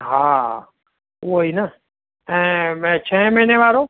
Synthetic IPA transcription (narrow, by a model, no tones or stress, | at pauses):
ɦaː | oiːnə | ɛ̃t͡ʃʰɛ̃ːməɦineʋaːɾoː